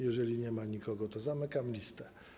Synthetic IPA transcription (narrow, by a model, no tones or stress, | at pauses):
jɛʐɛlʲiɲɛmaɲikɔɡɔt̪ɔzamɘkamlʲist̪ɛ